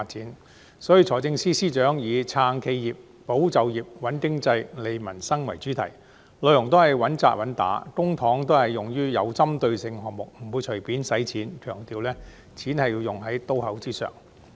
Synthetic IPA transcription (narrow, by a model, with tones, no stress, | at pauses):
a˧t̚t͡siː˨˥n | sɔː˨˥jiː˧t͡sʰɔː˨˩t͡sɪ˧ŋsiː˥siː˥t͡ʃœː˨˥ŋjiː˨˧t͡sʰaː˧ŋkʰe˧jjiː˨p̚ːo˨˥wt͡sɐ˨wjiː˨p̚wɐ˨˥nkɪ˥ŋt͡sɐ˧jle˨jmɐ˨˩nsɐ˥ŋwɐ˨˩jt͡ʃyː˨˥t̪ʰɐ˨˩j | lœ˨˧ɥjʊ˨˩ŋt̪̬o˥whɐ˨jwɐ˨˥nt͡sa̰ː˨˧t̚wɐ˨˥nt̪a̰ː˨˥kʊ˥ŋt̪ʰɔː˨˥ŋt̪o˥whɐ˨jːʊ˨ŋjyː˥jɐ˨˧wt͡sɐ˥mt̪ɵ˧ɥsɪ˧ŋɦɔː˨ŋ̚mʊ˨k̚m̩˨˩wuː˨˧jt͡ʃʰɵ˨˩piː˨˥nsɐ˨˥jt͡sʰiː˨˥nkʰœː˨˩ŋt̪iː˨wlɛː˥ | t͡sʰiː˨˥nhɐ˨jiː˧wjʊ˨˩ŋɦɐ˨˥jt̪o˥whɐ˨˥wt͡siː˥sœ̰ː˨ŋ